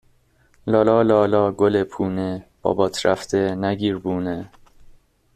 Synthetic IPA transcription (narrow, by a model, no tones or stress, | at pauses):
lɒːlɒːlɒːlɒːɡolepʰuːneb̥ɒ̰ːbɒːt̪ʰɾæft̪ʰenæɡiːɾbuːne